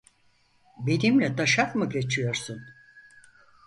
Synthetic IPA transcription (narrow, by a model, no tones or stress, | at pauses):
benimlʲɛd̪aʃakmɯɟe̞t͡ʃʰijo̞ɾsun